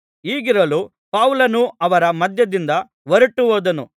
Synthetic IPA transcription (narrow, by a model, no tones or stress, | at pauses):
iːɡiɾɐlu | paːwlɐnuɐʋɐɾɐmɐd̪ʱjɐd̪ind̪ɐ | ʋɐɾuʈːuʋoːd̪ɐnu